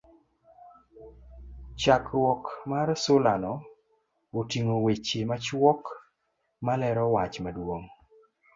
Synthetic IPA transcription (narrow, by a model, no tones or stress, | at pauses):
t͡ʃakɾwɔkmarsʊlanɔ | otiŋowet͡ʃemat͡ʃwɔk | malɛɾɔwat͡ʃmadwoŋ